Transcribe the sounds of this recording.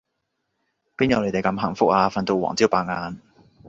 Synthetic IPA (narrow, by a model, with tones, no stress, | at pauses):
piː˥njɐ˨wle˨˧jt̪e˨jkɐ˧mɦɐ̰˨˩ŋfʊ˥k̚aː˧fɐ˧nt̪o˧wɔ̰ː˨˩ŋt͡si˥wpaː˧k̚ŋaː˧n